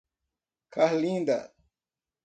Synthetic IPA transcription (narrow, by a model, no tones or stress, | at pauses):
kʰahlĩnd̪ɐ̰